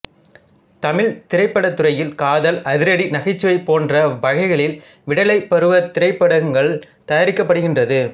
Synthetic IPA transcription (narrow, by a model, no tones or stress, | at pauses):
t̪ɐmɪɭt̪ɪɾɐɪpːɐɽɐt̪ːɯrɐjɪlkaːðɐlɐðɪɾɐɽinɐɣɪt͡ʃːɯʋɐɪpoːndrɐʋɐɣɐɪɣɐɭɪl | ʋɪɽɐlɐɪpːɐɾɯʋɐt̪ːɪɾɐɪpːɐɽɐŋɡɐɭ | t̪ɐjaɾɪkːɐpːɐɽɯɣɪndrɐðɯ